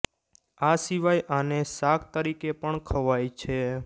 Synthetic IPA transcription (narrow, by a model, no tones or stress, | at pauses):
asiʋajʔanesakʰt̪əɾikepəɳkʰəʋajt͡ʃʰe